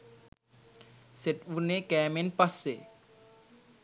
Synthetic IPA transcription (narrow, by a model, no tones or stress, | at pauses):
set̪unekɛːmenpɐsːe